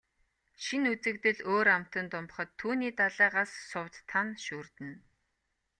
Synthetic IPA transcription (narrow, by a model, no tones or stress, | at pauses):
ʃinut͡sɘ̆kt̪ɘ̆ɮoːɾam̥t̪ə̆nt̪ʊmp̆χə̆t̪ʰːuːniːt̪aɮæːɢassʊwt̪ʰːanʃuːrt̪ɘ̆n